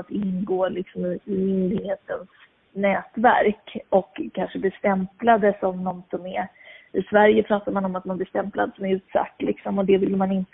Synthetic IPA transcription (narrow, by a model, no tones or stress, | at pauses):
t̪ɪnɡoːlɪksɔmɪɪmʏnd̪ɪɡheːt̪əns | nɛːt̪væ̰ɾkɔkʰːanʂəb̪ɪst̪ɛmplad̪əsɔmnɔnsɔmɛɾ | ɪsvæɾjəpʰɾɑːt̪aɾmanɔmat̪̚manblɪst̪ɛmpla̰d̪sɔmæɾʉ̟ːt̪sa̰t̪ːlɪksɔmɔd̪ɛvɪlːmanɪnt̪